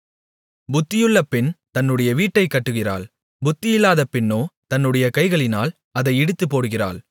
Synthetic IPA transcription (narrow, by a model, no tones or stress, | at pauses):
bʊt̪ːɪjɯɭːɐpːɪnt̪ɐnːɯɽɐjɐʋiːʈːɐɪkːɐʈːɯɣɪra̰ːɭ | bʊt̪ːɪjɪlːaːðɐpːɪnːoːt̪ɐnːɯɽɐjɐkɐɪɣɐɭɪnaːl | ɐðɐɪɛɽɯt̪ːɯpːoːɽɯɣɪra̰ːɭ